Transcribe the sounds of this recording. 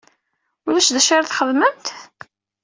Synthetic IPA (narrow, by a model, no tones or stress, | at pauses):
ʊlæʃðæʃaɾθχəðˤməmt̪